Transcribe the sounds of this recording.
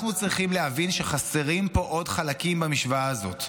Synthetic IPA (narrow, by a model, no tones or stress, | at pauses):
aχnut͡sʁiχimlehavinʃeχase̞ʁimpo̞ʔo̞dχalakimbamiʃvaːzo̞̰t